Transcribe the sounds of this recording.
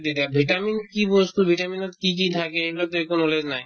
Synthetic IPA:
d̪it̪abʱiʈaminkibost̪ubʱiʈaminot̪kikit̪ʰakeeblat̪oekonoled͡ʑnaj

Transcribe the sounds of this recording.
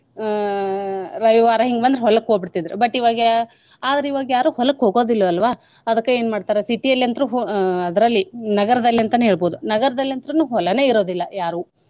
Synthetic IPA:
ɾɐʋiʋaːɾɐɦiŋɡbɐnd̪ɾɦɔlɐkːɦoɡbiɽt̪id̪ɐɾebɐʈːiʋaːɡ | aːd̪ɐɾeiʋaːɡɐjaːɾuːhɔlɐkɦoːɡo̞ːd̪ilːɐɐlʋaː | ɐd̪ɐkːeeːnmaːɽt̪aːɾesiʈijɐlːiɐnd̪ɐɾuɦɐd̪ɐɾɐlːinɐɡɐɾɐd̪ɐlːiɐnt̪ɐnɦe̞ːɭboːd̪unɐɡɐɾɐd̪ɐliɐnt̪ɐɾɐnuːɦɔlɐne̞ːiɾo̞ːd̪ilːɐjaːɾuː

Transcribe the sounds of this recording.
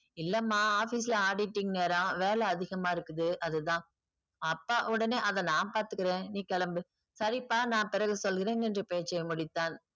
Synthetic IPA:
ɪlːɐmːaːaːfisɪlɐaːɽɪʈːɪŋneːɾãːʋeːlɐːðɪɣɐmaːɪɾɯkːɯðɯʔɐðɯt̪ãː | ɐpːaːʔʊɽɐneːʔɐðɛ̃naːnpaːɾt̪ɯkːɪɾẽːniːkɐlɐmbɯ | sɐɾɪpːaːnãːpɪɾɐɣɯsɔlɣɪɾeːŋɛndrɯpeːt͡ʃːɐmʊɽɪt̪ːaːn

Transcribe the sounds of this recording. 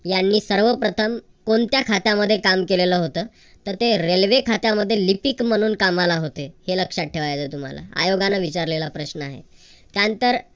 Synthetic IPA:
janːiːsəɾʋəpɾət̪ʰəm | koɳt̪jakʰat̪jaməd̪ʱːjekamkeleləːɦot̪əː | t̪əɾt̪eɾelʋekʰat̪jaməd̪ʱːjelipikm̤əɽ̃uːnkamalaɦot̪eheləkʂaʈʈʰːeʋajt͡sət̪um̤a̰la̰a̰joɡanːaʋit͡ɕaɾlelapɾəɕnəaɦḛ | t̪jant̪əɾ

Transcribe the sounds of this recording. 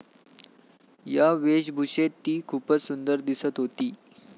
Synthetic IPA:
jaʋeɕbʱuɕet̪ːiːkʰuːpət͡ssund̪əɾd̪isət̪ɦot̪iː

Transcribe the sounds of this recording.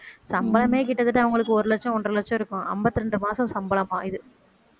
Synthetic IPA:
sɐmbɐlɐmeːkɪʈːɐðɯʈːɐʋɐŋɡɐɭɯkːɯɔɾɯlɛt͡ʃːɐ̃ɔndrɯlɛt͡ʃːɔ̃ɪɾɯkːʊ̃ʔɐ̰mbɐt̪ːɯɪɾɛɳɖɯmaːsɐ̃sɐmbɐlɐmaːɪðɯ

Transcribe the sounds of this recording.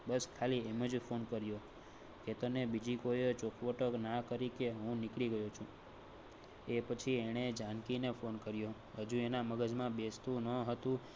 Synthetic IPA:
bəskʰalieməd͡ʒfʰonkəɾjo | ket̪ənebid͡ʒikojet͡ʃokʰʋəʈəknakəɾikeɦũnikɭiɡəjot͡ʃʰũ | epət͡ʃʰieɽ̃ed͡ʒankinefʰonkəɾjo | ɦəd͡ʒũenaməɡəd͡ʒmãbest̪ũnəɦət̪ũ

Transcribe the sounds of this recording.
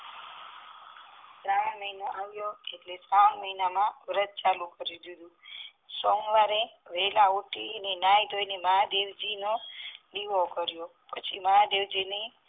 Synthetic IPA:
t̪ɾãməinoʔaʋjoeʈlesanməɦinamãʋɾət̪̚t͡ʃalukəɾid̪id̪ũ | sɔŋɡʋaɾeʋelauʈiənenajd̪ʱojnemaɦad̪eʋd͡ʒinoliʋokəɾjo | pət͡ʃʰiməɦad̪eʋd͡ʒine

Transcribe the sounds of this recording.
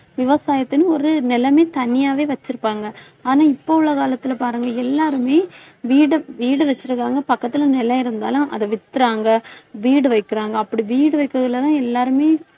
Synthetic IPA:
ʋɪʋɐsaːjɐt̪ːɯnɯ̃ɔɾɯnɪlɐmeːt̪ɐnɪjaːʋeːʋɐt͡ʃːɯɾɯpːaːŋɡɐ | aːnaːɪpːoɯɭːɐkaːlɐt̪ːɪlɐpaːɾɯŋɡɐɛlːaːɾɯmeːʋiːɽɯʋiːɽɯʋɐt͡ʃːɪɾɯkːaːŋɡɐpɐkːɐt̪ːɪlɐnɪlɐ̃ɪɾɯnd̪a̰ːlʊ̃ʔɐ̰ðɐʋɪt̪ːɯɾaːŋɡɐʋiːɽɯʋɐɪkːɪɾaːŋɡɐːpːɐɽiʋiːɽɯʋɐɪkːɯɣɐɭɐt̪ãːɛlːaːɾɯmeː

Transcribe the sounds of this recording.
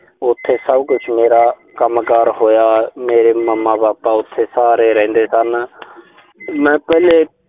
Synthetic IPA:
ʊt̪ʰːeːsəbkʊt͡ʃʰmeːɾaː | kəmkaːɾɦoːjaːmeːɾeːməmːaːbaːpaːʊt̪ʰːeːsaːɾeːɾɛ̃ɛ̃ːnd̪eːsən | mɛ̃ːpɛːleː

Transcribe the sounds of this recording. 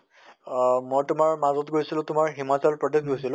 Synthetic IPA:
mojtʊmaɹmazɔtɡojsilʊ̃tʊmaɹɦimat͡salpɹɔdesɡojsilʊ̃

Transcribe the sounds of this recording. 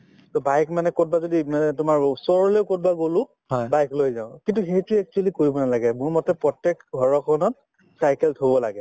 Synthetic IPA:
tɔbajkmanɛkot̚bazodiaɛtʊmaɹsɔɹɔlejʊkot̚baɡolʊ̃ | hɔjbajklojzaʊ̃kintuxetuɛk̚t͡ʃualikoɹibɔnalaɡɛmʊɹmɔtɛpɹɔtɛkɡʱɔɹɔkʰɔnɔt̚ | sajkɛltʰobɔla̰ɡɛ

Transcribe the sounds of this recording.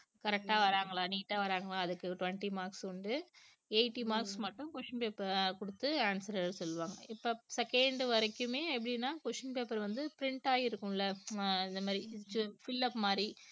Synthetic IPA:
kɐɾɛk̚ʈaːʋɐɾaːŋɡɐɭãːniːʈːaːʋɐɾaːŋɡɐɭãːɐðɯkːɯʈʊʋɐɳʈimaːɾkskɔɳɖɯ | eɪʈːimaːɾksmɐʈːʊ̃kʊʂɐnpeːpːɐɾkɔɽɯt̪ːɯaːnsɐɾɾsɔlːɯʋaːŋɡɐɪpːoːsɛkɛɳɖʋɐɾɐkːɯmeːɛpːɐɽinːaːkʊʂɐnpeːpɐɾʋɐnd̪ɯpɪɾɪɳʈaːjɪɾɯkːɯmɪlːɐɪnd̪ɐmaːd̪ɾit͡ʃːɯfɪlːɐpːmaːdɾi

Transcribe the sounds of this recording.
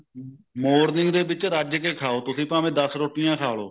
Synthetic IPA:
moːɾnɪŋɡd̪eːbɪt͡ʃɾaːd͡ʒkeːkʰaːoːt̪ʊsĩːpãːʋẽːd̪əsɾʊʈɪjãːkʰaːloː

